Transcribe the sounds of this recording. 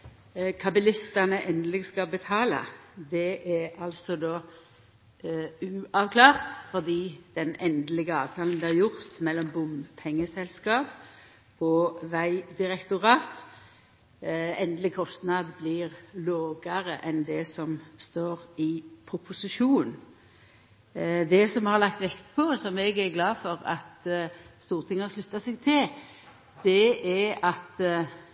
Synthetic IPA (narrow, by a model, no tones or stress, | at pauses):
kʰɑbəlɪst̪ɑnəʔɛnlɪɡskɑbət̪ʰɑːlɑ̰d̪ɛʔæɑlsɔd̪oː | ʉːʔɑʋkʰlɑːʁt̪fɔd̪iːd̪̥ɛnɛnd̪lɪɡəɑːʋt̪ʰɑːln̩d̪ɛhɑʁjʊʁt̪mɛlːɔmbʊmpʰɛŋːəsɛlskɑːp | ɔʋæɪd̪ɪʁɛkt̪ʊʁɑːt̪ | ɛnd̪lɪkʰɔst̪nɑd̪blɪʁloːɡəʁəʔɛnd̪ɛsɔmst̪oːʁɪpʰɾʊpʰʊsɪʂuːn | d̪ɛsɔmhɑɾlɑk̚t̪ʋɛkt̪pʰɔsɔmɛɡæɾɡlɑːfɔʁɑ̰t̪st̪uːʁt̪ʰɪŋːəʂlʉt̪ːɑsɛɡ̚t̪ʰɪl | d̪̥ɛæɑt̪